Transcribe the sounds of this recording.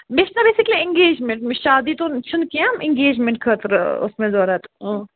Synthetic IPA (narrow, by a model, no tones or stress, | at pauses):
beʃnabeːsikliɪ̃ŋɡeːd͡ʒmẽɳʈmʃaːd̪iːt̪ont͡ʃʰunkijãmɪ̃ŋɡeːd͡ʒmẽɳʈ̚kʰət̪ɾʊ̰smẽzoːɾat̪õ